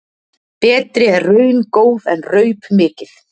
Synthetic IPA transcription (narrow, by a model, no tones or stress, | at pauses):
pɛːt̪ɾɪɛrrœɥnkoːwðɛ̰nrœːɥpmɪːcɪθ